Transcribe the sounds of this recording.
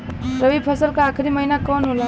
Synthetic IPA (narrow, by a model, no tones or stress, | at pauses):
ɾəʋipʰəsəlkaːkʰɾiməɦinakɔːnɦola